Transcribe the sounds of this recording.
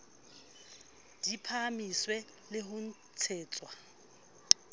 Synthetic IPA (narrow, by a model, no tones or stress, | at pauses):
d̥ipʰamiswɛ | lɪɦʊn̩ | t͡sʰeːt͡sʼwa